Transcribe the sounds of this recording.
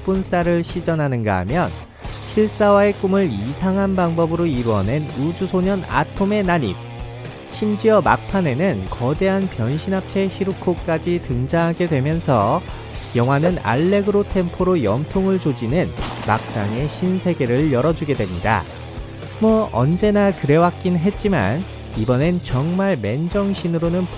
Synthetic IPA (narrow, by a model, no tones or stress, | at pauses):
p͈uns͈aɾɯɭɕʰid͡ʑʌnɦanɯnɡa̰ɦa̰mjʌn | ɕʰiɭs͈awae̞k͈umɯɭisʰaŋɦanbaŋbʌbɯɾoiɾuʌne̞nud͡ʑusʰoɲʌna̰tʰome̞naɲḭp̚ | ɕʰimd͡ʑiʌma̰k̚pʰane̞nɯnkʌde̞ɦanpjʌnɕʰinɦap̚t͡ɕʰe̞ɕʰiɾukʰok͈ad͡ʑitɯŋd͡ʑaŋɦaɡe̞dwe̞mjʌnsʰʌ | jʌŋwanɯna̰ɭːe̞ɡɯɾotʰe̞mpʰoɾojʌmtʰoŋɯɭt͡ɕod͡ʑinɯnma̰k̚t͡ɕ͈aŋe̞ɕʰinsʰe̞ɡe̞ɾɯɭjʌɾʌd͡ʑuɡe̞dwemɲida̰ | mwʌʌnd͡ʑe̞nakɯɾe̞wak̚k͈inɦe̞t̚t͡ɕ͈ima̰n | ibʌne̞t͡ɕʌŋmaɭme̞nd͡ʑʌŋɕʰinɯɾonɯn